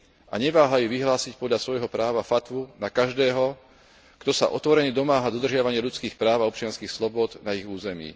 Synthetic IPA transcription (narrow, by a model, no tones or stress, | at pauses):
ʔaɲɛʋaːɦajuʋiɦlaːsicpɔd̪lʎasʋɔjɦɔpɾaːʋafat̪ʋunakaʒd̪ɛːɦɔ | ɡ̥t̪ɔsa̰ʔɔt̪ʋɔɾɛɲɛd̪ɔmaːɦad̪ɔd̪r̩ʒɪaʋaɲɪɛʎut͡skiːxpɾaːʊaɔp̚t͡ʃɪanskiːxslɔbʊɔd̪naiɣuːzɛmḭː